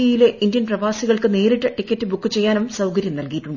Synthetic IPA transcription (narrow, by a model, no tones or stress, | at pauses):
ɐjileʔindjɐnprɐʋaːsiɣɐɭkɨne̞ːɾiʈːɐʈikːɐtːɨbukːɨt͡ɕe̞jːaːnumsɐwkɐɾjɐmnɐlkiːiʈːuɳɖɨ